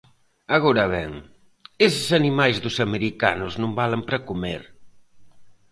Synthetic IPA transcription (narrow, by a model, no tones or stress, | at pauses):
ɐɣɔɾɐβɛŋ | esɪsɐnimajzðʊsɐmeɾika̰nʊznõmbalempɾɐkumḛɾ